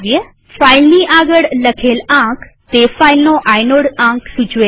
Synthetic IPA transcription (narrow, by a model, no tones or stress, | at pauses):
ie | faːɪlniːʔaːɡəɽləkʰeːlãːk | t̪eːfaːɪlnõːʔaːjnoːɽãːksʊt͡ʃʋeː